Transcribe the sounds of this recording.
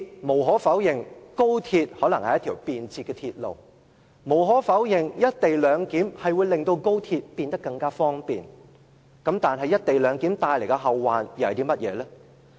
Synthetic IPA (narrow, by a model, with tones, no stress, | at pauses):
mo˨˩wɦɔː˨˥fɐ˨˥wjɪ˨˩ŋko˥wt̪ʰiː˧t̚hɔː˨˥lɐ˨˩ŋhɐ˨jɐ˥t̪ʰiː˨˩wpiː˨nt͡sʰiː˧t̚kːɛː˧t̪ʰi˧t̚lo̰˨w | mo˨˩wɦɔː˨˥fɐ˨˥wjɪ˨˩ŋjɐ˥t̚t̪e˨jlœː˨˧ŋkiː˨˥mhɐ˨jwu˨˧jlɪ˨ŋt̪o˧wko˥wt̪ʰiː˧t̚piː˧nt̪ɐ˥kːɐ˧ŋkaː˥fɔː˥ŋpḭː˨n | kɐ˨˥mt̪aː˨nɦɐ˨jːɐ˥t̚t̪e˨jlœː˨˧ŋkiː˨˥mt̪aː˧jle˨˩jkɛ˧ɦɐ˨˧wːaː˨˧njwhɐ˨˩t̪iː˥mɐ˥t̚jɛ̰ː˨˧lɛː˥